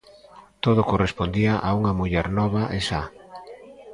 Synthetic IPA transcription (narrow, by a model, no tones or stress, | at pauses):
t̪oð̞okorespond̪iaʔauŋɐmuʎɛɾnɔβ̞aʔesa